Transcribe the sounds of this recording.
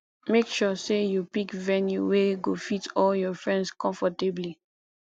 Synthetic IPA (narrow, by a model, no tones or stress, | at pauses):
mekʃɔsejupikvɛnjṵweɡofitɔljɔfɹɛ̃ndskʰɔ̃ɱfɔtebli